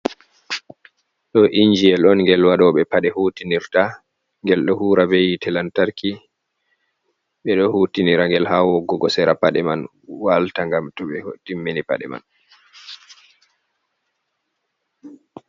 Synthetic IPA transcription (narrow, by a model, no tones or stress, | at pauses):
ɗɔʔiɲd͡ʒiɛlɔnŋɡɛlwaɗɔɓɛpaɗɛhutiniɾta | ŋɡɛlɗɔhuːɾabejitɛlantaɾki | ɓɛɗɔhuːtiniɾaŋɡɛlhawɔɡɔɡɔsɛɾapaɗɛman | waltaŋɡamtɔɓɛtimːinipa̰ɗɛ̰ma̰n